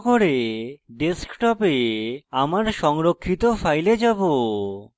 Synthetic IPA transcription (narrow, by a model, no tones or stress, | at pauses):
koɾeɖeskʈɔpeamaɾʃɔŋɾokʰːit̪ofʰajled͡ʑabo